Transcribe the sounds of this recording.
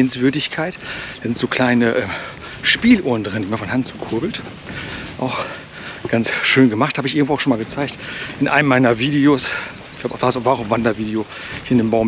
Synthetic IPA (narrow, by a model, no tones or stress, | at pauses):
nsv̥ʏɐdɪçkʰaɪtd̥aːzɪntz̥oːkʰl̥aɪnəʔɛː | ʃpiːlʔoːɐn̩dʁɪndiːmanfɔnhaŋt͡su̥kʰʊɐbl̩t | ʔaʊx | ɡ̥ansʃøːnɡəmaχthaːbəɪç̬ʔɪɡŋtvoːaʊʃoːnmaːlɡət͡saɪçtʔɪnʔa̰ɪnəmːaɪnɐviːdeos | klaʊafvazoːvaːʁʊmvandɐviːdeo | ndeːmbaʊm